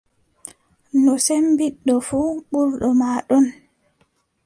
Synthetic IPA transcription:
nɔsembiɗːɔfuːɓuɾɗɔmaːɗɔn

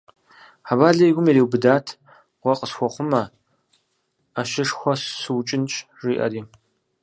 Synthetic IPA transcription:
ħabaːɮɐjɡʷʊmjɛɾiːwbɨdaːtʰ | ʁʷɔqʼəsxʷɔχʷʊmɐ | aʃɪʂxʷɔssɨwt͡ʃʼɪnt͡ʃʼ | riːʔɐ̰ɾiː

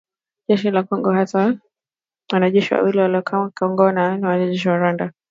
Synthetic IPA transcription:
ʄɛʃilakɔŋɡɔhata | wanaʄɛʃiwa̰wiliwalakʰkɔŋɡɔnaniwanaʄɛʃ̬iwaɾwanda

